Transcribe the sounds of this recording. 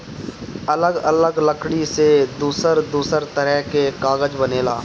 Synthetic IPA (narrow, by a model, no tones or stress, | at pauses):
ɐləɡələɡləkʰɽised̪uːsəɾd̪uːsəɾt̪əɾəɦkekaːɣəd͡ʒbəneːla̰ː